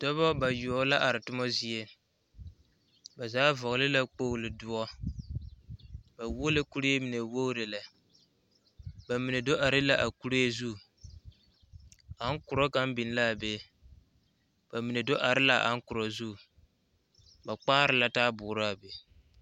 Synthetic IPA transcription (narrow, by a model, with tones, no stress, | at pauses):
d̥ɔ˦bɔ˦ba˨jʊ˨ɔ˨˦la˦ʔa˨ɾɪ˨tʊ˦mɔ˦zi˨e˦ | ba˨zaː˦vɔ˨ɣlɪ˦la˦k͡po˦˨lɪ˨dʊ˦ɔ˦ | ba˨wo˦lɨ˦ku˦ɾe˦e˦mi˨ne˨wo˦ɾe˨la˨ | ba˨mi˨ne˨do˦ʔa˨ɾɪ˦la˨ʔa˨ku˦ɾe˦e˦zu˦˨ | a˨˦ŋ˦kʊ˨ɾɔ˦ka˦mbɪ˨n˦la˦˨be˦ | b̥a˨mi˨ne˨do˦ʔa˨ɾɪ˦la˦˨ʔa̰˨˦ŋ˦kʊ˨ɾɔ˨zu˦˨ | ba˨k͡paː˦ɾɪ˨la˨taː˦bʊː˨˦ɾa˦˨be˨